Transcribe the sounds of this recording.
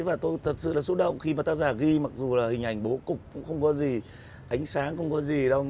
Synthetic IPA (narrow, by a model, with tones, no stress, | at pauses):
vaː˨˩t̪o˧jt̪ʰə˨˩t̚sɨ̰˧˨laː˨˩su˦˥t̚ɗə̰˧˨wŋ͡mxi˧maː˨˩t̪aː˧zaː˧˩ɣi˧ma˨˩k̚zu˨˩laː˨˩hï˨˩ŋ̟ʔa˨˩jŋ̟ɓo˨˦kʊ˨˩k͡p̚kʊ̰˧˥ŋ͡mxə˧wŋ͡mkɔ˨˦zi˨˩ | ʔa˨˦jŋ̟saː˨˦ŋxə˧wŋ͡mkɔ˨˦zi˨˩ɗa˧w